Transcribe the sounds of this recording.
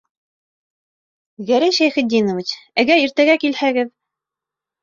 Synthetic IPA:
ɡæɾæjʃæjχɘ̆t̪̚ːinŏvɘt͡ɕæɡæiɾt̪æɡækilhæɡɘð

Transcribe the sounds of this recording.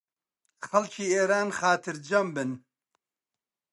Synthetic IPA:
xɐlt͡ʃʰiːeːɾaːnxaːt̪ʰɨɾd͡ʒɐmbɨn

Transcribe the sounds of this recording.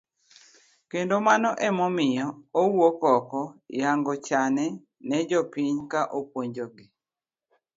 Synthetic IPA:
kendomanɔʔɛmɔmɪjɔowokɔkɔjaŋɡɔt͡ʃanɛ | nɛd͡ʒɔpiɲkaʔopwoɲd͡ʒoɡi

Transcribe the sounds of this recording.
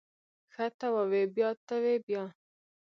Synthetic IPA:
xat̪awawebjɑt̪awebjɑ

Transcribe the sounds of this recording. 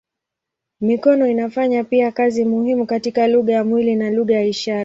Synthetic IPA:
mikɔnɔinafaɲapiakazimuhimukatikaluɣajamwilinaluɣajaiʃaɾ

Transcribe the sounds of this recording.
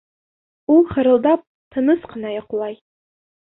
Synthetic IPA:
uχəɾɨlˠd̪ap̚ | tʰɨnɨsqənɑjɑqlˠɑj

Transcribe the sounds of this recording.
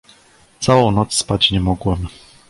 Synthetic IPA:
t̪sawɔ̃w̃nɔt̪sspat͡ɕɲɛmɔɡwɛm

